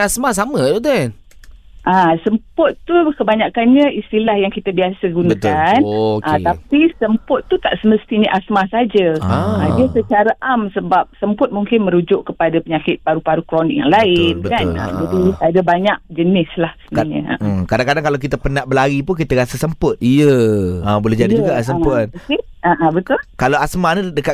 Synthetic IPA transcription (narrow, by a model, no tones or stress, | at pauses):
asmas̬amə̃t̪ut̪en | ʔasəmpʊt̪t̪ukəbaɲakanɲə̃ist̪ilahjaŋkit̪əbiasəɡunak̪anʔat̪apisəmpʊt̪ːut̪aʔsəməst̪iɲəʔasmasad͡ʒəadiəsət͡ʃaɾaʔamsəbap̚səmpʊt̪̚muŋkɪnmə̃ɾud͡ʒʊʔkəpadapəɲakɪt̪̚paɾupaɾukɾonɪk̚ja̰ŋlaɪnbəkaa̰d͡ʒadiadabaɲak̚d͡ʒənɪslahsənɲə̰a̰ʔkadãŋkadaŋkalawk̬it̪apənaʔbəlaɡipʊnkit̪aɾasəsəmpʊt̪ijəəbulɛhd͡ʒadid͡ʒuɡas̬əmpt̪̚kɪ | aʔãbət̪ʊlkalaasmanədəka